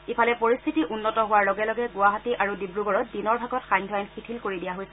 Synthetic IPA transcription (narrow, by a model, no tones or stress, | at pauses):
ipʰalɛpoɹist̪ʰitiʔunːɔtɔɦʊwaɹlɔɡɛlɔɡɛɡʊaɦatiʔaɹudibɹuɡɔɹɔt̚dinɔɹbʱaɡɔtxajɲdʱajnxitʰilkoɹidijaɦojsɛ